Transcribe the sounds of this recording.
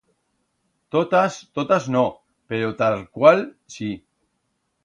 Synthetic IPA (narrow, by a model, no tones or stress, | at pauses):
t̪ot̪ast̪ot̪azno | peɾot̪alkwal | si